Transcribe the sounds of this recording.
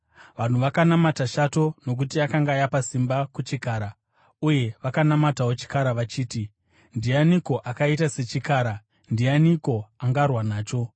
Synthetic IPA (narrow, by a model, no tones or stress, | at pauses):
ʋan̤uʋakanamataʃato̞no̞k̬utiakaŋɡajapasimbakut͡ʃikaːɾa | uje̞ʋakanamatawot͡ʃi̥kaɾaʋat͡ʃiːti | ndianiko̞ʔakait̬ase̞t͡ʃikaːɾa | ndianiko̞aŋɡarwanaːt͡ʃo̞